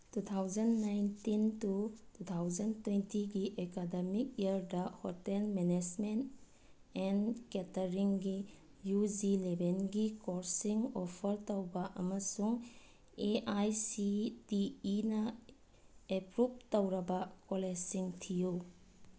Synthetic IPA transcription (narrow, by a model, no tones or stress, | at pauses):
tut̪ʰawzɐnːajntintutut̪ʰawzɐntwentiɡiʔekademik̚iɐɾdɐhɔtelmened͡ʒment | ɛnketɐɾiŋɡi | jud͡ʒilebʱenɡikoɾsiŋɔpʰɐɾtowbɐʔɐmɐsuŋ | eʔajsitiːnɐ | epɾup̚towɾɐbɐkolesiŋtʰiju